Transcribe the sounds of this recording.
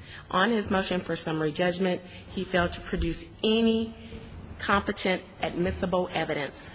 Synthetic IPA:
ʔə̃nɪzmoʊʃɨ̃nfə˞sʌ̃mɹid͡ʒʌd͡ʒmɨ̃nʔ̚ | hifeɪl̚ˠtʰə̥pʰɹ̥ɨdʉs | ɛni | kʰɑ̃mpɨtʰɨ̃ntʔɨd̚mɪsəbl̩ˠɛvɨɾɨ̃ns

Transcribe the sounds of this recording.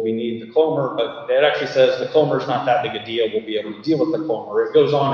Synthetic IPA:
winid̪̚ðɨkʰõʊ̃mə˞bʌt̪̚ɪɾæk̚t͡ʃʉl̩ˠisɛzðɨkʰõʊ̃mə˞ɨznət̪̚ðɨt̚b̥ɪɡɨdilˠwɪlˠbieɪbl̩ˠtʰədilˠwəðəkʰõʊmə˞ɨt̚ɡ̥oʊzn̩

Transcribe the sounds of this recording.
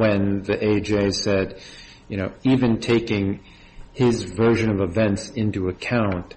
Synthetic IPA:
ɨ̃nðiʔeɪd͡ʒeɪsɛd | jɨñoʊivɨ̃ntʰeɪkɪ̃ŋ | ɪzvɜ˞ʒɨ̃nʌvəvɛ̃ntsɪ̃ntuɨkʰãʊ̃nt̚

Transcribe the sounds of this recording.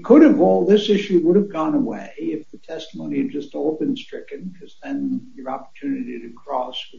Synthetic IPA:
kʰʊɾɨvolˠðɪsɪʃʉwʊɾɨvɡɔ̃nəwḛɪɪfðɨtʰɛstəmõʊ̃niɨd̚d͡ʒʌstɔlˠbɨ̃nstɹ̥ɪkɨ̃nkʰʌzðɨ̃njə˞ɑpə̥˞tʰʉnɨɾiɾɨkʰɹ̥ɔs

